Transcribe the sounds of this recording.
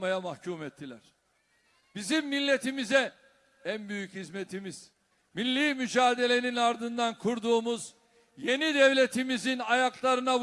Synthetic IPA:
majamahcʰuːmɛt̪ʰːilʲæɾ̥ | bizimːilʲːe̞t̪imizɛ | ænbyjychizmet̪ʰimiz̥ | milʲːiːmyd͡ʒaːd̪e̞lʲe̞ninaɾd̪ɯnd̪ankʰuɾd̪uːmuz | je̞nid̪ɛvlʲe̞t̪ʰimizinajaklˠaɾɯna

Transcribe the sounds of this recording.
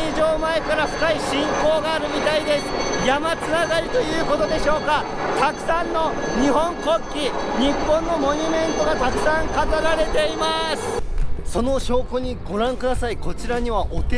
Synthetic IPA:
d͡ʑo̞ːmae̞kaɾaɸɯ̟̥kaiɕĩŋko̞ːɡaːɾɯ̟mʲit̪aid̪e̞sɨ̥jamat͡sɨnaɡaɾʲit̪o̞jɯ̟ːko̞t̪o̞d̪e̞ɕo̞ːka | t̪akɯ̟̥sãnːo̞ | ɲ̟iɦõ̞ŋko̞kʲːi | ɲ̟ipːõ̞nːo̞mo̞ɲ̟ʲɯmẽ̞nt̪o̞ɡat̪akɯ̟̥sãŋkazaɾaɾe̞t̪e̞imasɨ̥so̞no̞ɕo̞ːko̞ɲ̟iɡo̞ɾãŋkɯ̟d̪asaiko̞t͡ɕiɾaɲ̟iβaʔo̞t̪e

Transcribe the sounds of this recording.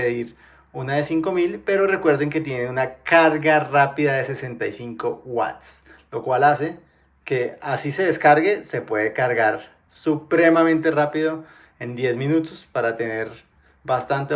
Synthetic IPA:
eðiɾ | unaðe̞siŋko̞milpe̞ɾo̞re̞kwe̞ɾðeŋke̞t̪je̞nenunakaɾɡarapiðaðe̞se̞se̞nt̪ajsiŋko̞wa̰t̪s | lo̞kwalase̞ | ke̞asise̞ðe̞skaɾɣe̞se̞pwe̞ðe̞kaɾɣaɾ | supɾe̞mamẽnt̪e̞rapiðo̞ | e̞nd̪je̞zmĩnut̪ospaɾat̪e̞ne̞ɾ | bast̪ant̪e

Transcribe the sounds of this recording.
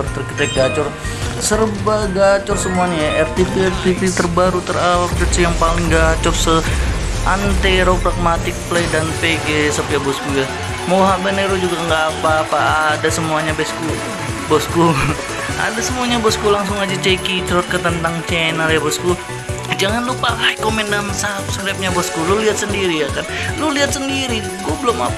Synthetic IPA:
ɔrt̪ərkit̪ɛt̪̚ɡat͡ʃɔr | sərbaɡat͡ʃʊrsəmuanaaʔɛrt̪ipiɛrt̪ipit̪ərbaɾut̪əralap̚t͡ʃɔrsəjaŋpalɪŋɡat͡ʃɔrsəʔant̪eɾopɾaɡ̚mat̪ɪk̚pledanpeɡesapjabɔskuja | moɦabəneɾod͡ʒuɡaŋɡaːpaːpaːdasəmuaɲabɛsku | bɔsku | a̰dasəmuaɲabɔskulaŋsʊŋad͡ʒat͡ʃekit͡ʃɾɔt̪̚kət̪ənt̪aŋt͡ʃɛnəljabɔsku | d͡ʒaŋanlupaaikomɛndansap̚skɾap̚ɲabɔskuloliɦat̪̚səndiɾijakanloliat̪̚səndiɾi | ɡuabəlʊma̰p

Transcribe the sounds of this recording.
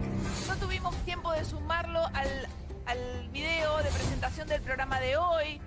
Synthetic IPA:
no̞t̪uβimo̞st̪je̞mpo̞ð̞esumaɾlo̞ʔal | alβiðeoðepɾese̞nt̪asjo̞nd̪e̞lpɾo̞ɣɾamaðeoj

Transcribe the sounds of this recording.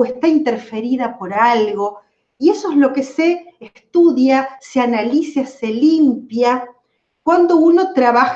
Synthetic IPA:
est̪aint̪eɾfe̞ɾiðapo̞ɾalɣo̞ | ie̞soezlo̞keseːst̪uðjaseanalisaselimpja | kwand̪o̞uno̞t̪ɾaβax

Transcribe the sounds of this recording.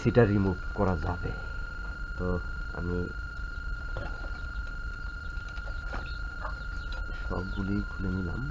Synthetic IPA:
sitaɹimubkɔɹazabɛ | tɔa̰mi | sɔ̰bɡuliɡʱulimila̰m

